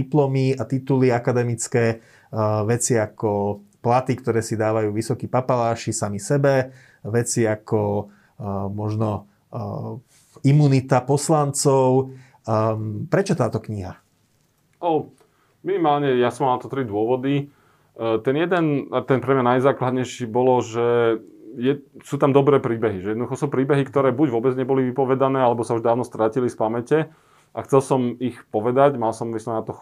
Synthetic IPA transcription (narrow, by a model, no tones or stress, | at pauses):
iplɔmiat̪it̪uliakad̪ɛmit͡skɛː | ʋɛt͡siakɔplat̪ikt̪ɔɾɛːsid̪aːʋajuːʋisɔkiːpapalaːʃisamisɛbɛ | ʋɛt͡siakɔ | mɔʒnɔ | imunit̪apɔslant͡sɔʊ | pɾɛt͡ʃɔt̪aːt̪ɔkɲiɦa | ʔɔ | minimaːlɲɛjasɔmalnat̪ɔt̪ɾid̪ʊɔʋɔd̪i | t̪ɛnjɛd̪ɛnat̪ɛnpɾɛmɲanajzaːklad̪ɲɛjʃiːbɔlɔʒɛ | jɛsuːt̪amd̪ɔbɾɛːpɾiːbɛɦiʒɛjɛd̪nɔd̪uxɔsuːpɾiːbɛɦikt̪ɔɾɛːbuɟʋʊɔbɛd͡zɲɛbɔliʋipɔʋɛd̪anɛːalɛbɔsauʒd̪aːʋnɔst̪ɾʔaːcilifpamɛcɛ | ʔaxt͡sɛlsɔmixpɔʋɛd̪aɟmalsɔmmisɔmnat̪ɔ